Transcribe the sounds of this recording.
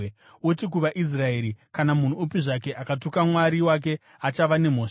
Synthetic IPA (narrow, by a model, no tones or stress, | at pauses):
otik̬uʋaʔis̬rae̞ːɾikanamun̤uːpiʐake̞ʔakatukamwaɾiwak̬e̞ | at͡ʃaʋane̞m̤o̞ːʂ